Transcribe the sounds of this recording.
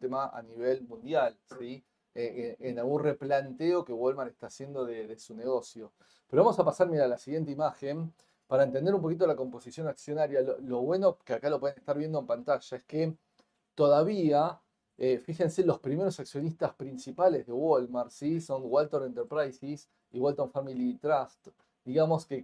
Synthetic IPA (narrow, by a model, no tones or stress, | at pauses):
t̪emaʔa̰niβ̞e̞lmũnd̪jalsi | eeenalɣunre̞plant̪eo̞kewolmaɾest̪aːsje̞nd̪o̞ðeðesune̞ɣ̞o̞sjo | peɾoβamosapasaɾmiɾalasiɣje̞nt̪eimaxe̞m | paɾaent̪end̪eɾump̬o̞kit̪olako̞mpo̞sisjo̞naksjo̞naɾjalolo̞βwe̞no̞keakalopwe̞ðenest̪aɾβje̞nd̪oe̞mpant̪aʃaeske | t̪oðaβia | efixe̞nse̞lo̞spɾime̞ɾo̞saksjo̞nist̪aspɾinsipale̞zðe̞wolmaɾsiso̞ŋɡwalt̪oɾent̪eɾpɾajsis | iwalt̪oɱfamilit̪ɾast̪ | d̪iɣamo̞ske